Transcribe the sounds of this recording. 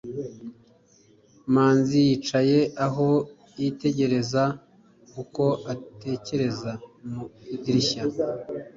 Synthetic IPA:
maːnzijiːt͡ʃaje̞aɦo̞ | jite̞ɟe̞ɾe̞za | kuko̞ate̞ce̞ɾe̞zamudiɾiça

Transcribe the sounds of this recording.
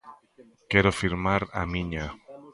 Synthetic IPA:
keɾofiɾmaɾa̰mĩɲa

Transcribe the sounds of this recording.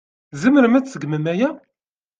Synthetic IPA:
zəməɾmæt͡ssəɡməmæjæ

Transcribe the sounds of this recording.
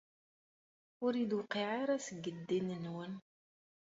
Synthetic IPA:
ʊɾid̪wqiʕaɾasəɡːəd̪ːinənwən

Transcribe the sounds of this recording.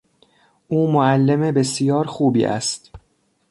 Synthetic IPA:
ʔuːmoælːe̞mebe̞sijɒːɾxuːbḭːʔæ̰st̪

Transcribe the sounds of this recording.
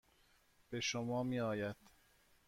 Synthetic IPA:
b̥e̞ʃomɒːmiːɒːjæd̪̥

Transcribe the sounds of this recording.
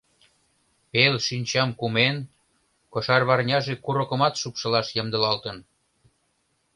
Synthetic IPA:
pelʃynʲt͡ɕɑmkumen | kŏʃɑrβɑrnʲɑʒekuɾŏkə̆mɑt̪ʃupʃɤ̆lɑʃjə̆md̪ə̆lɑlt̪ə̆n

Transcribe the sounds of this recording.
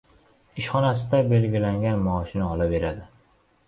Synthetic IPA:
ɪʃχɒnasɪd̪abe̞lɡʲɪlaŋɡʲanmɒʃɪnɒlabe̞ɾad̪ɪ

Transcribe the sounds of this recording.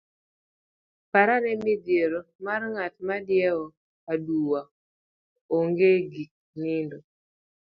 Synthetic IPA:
paɾanɛmidjeɾomarŋat̪madjɛɔ | aduwa | oŋɡeɡik̚nindo

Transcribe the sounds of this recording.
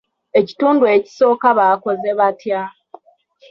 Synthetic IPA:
e̞ci̥tuːndue̞ci̥so̞ːkaβako̞ze̞βatja

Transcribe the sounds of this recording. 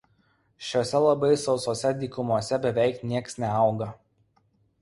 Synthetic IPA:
ʃʲoːsʲɛlˠɐbɐɪsɒʊsoːsʲɛd̪ʲiːkʊmuɔsʲɛbʲɛʋʲɛɪknʲiɛksnʲɛɐʊɡɐ

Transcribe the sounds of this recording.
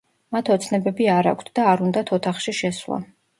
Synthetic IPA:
mat̪ʰɔt̪sʰnɛbɛbiaɾa̰kʷʰt̪ʰd̪̥aːɾund̪at̪ʰɔt̪ʰaχʃiʃɛswlˠa̰

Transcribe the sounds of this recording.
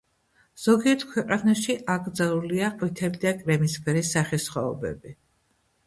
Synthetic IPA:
z̥ɔɡiɛt̪ʰkʰwɛqʼanaʃiʔaɡɾd̪zalˠuliaqʼwit̪ʰɛlid̪akʼɾɛmispʰɛɾisːaχisχɔːbɛ̰bi

